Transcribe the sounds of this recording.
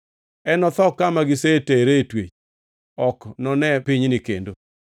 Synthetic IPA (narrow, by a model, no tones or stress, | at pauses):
ɛnɔt̪ɔkːamaɡɪseteɾetwet͡ʃ | ɔknɔnɛpɪɲnɪkḛndo